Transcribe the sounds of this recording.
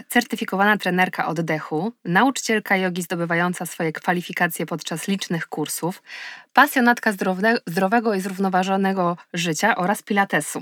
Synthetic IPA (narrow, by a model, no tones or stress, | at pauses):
t̪sɛɾt̪ɘfʲikɔvanat̪ɾɛnɛɾka̰ʔɔd̪ːɛxunaut͡ʂɘ̥t͡ɕɛlkajɔɡʲizd̪ɔbɘvajɔnt̪sasfɔjɛkfalʲifʲikat̪sʲjɛpɔt̪t͡ʂaslʲit͡ʂnɘxkuɾsufpasʲjɔnat̪kazd̪ɾɔvɛɡɔizɾuvnɔvaʐɔnɛɡɔʐɘt͡ɕaʔɔɾaspʲilat̪ɛsu